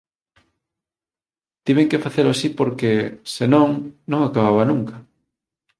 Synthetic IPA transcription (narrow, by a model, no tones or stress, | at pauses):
t̪iβeŋkefaθeɾʊasipoɾkesenõŋnõŋakaβaβanũŋkɐ